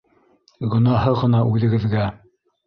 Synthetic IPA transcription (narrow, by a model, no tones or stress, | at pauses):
ɡɵ̆nɑhɤʁɤ̆nɑʔʉðɘ̆ɡɘ̆ðɡæ